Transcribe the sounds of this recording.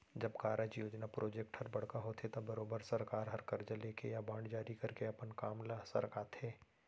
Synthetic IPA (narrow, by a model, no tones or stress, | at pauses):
d͡ʒɐbkaːɾəd͡ʒjoːd͡ʒnapɾoːd͡ʒek̚ʈhɐɾbɐɽ̤kaɦoːt̪ʰet̪ɐbɐɾoːbəɾsɐɾkaːɾɦɐɾkɐɾd͡ʒɐleːkejabãːɳɖd͡ʒaːɾikɐɾkeɐpənkaːmlasɐ̰ɾkaːt̪ʰeː